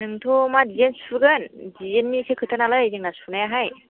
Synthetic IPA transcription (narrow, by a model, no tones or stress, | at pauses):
nɯŋt̪ʰomadijenspʰɯɡɯndienːisʰekʰɯtʰanalɯjzɯŋnaspʰɯnajaɦaj